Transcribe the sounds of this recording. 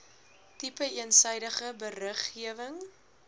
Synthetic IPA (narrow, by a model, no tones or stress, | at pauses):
tipəiənsɛjdəχəbərəχiəvəŋ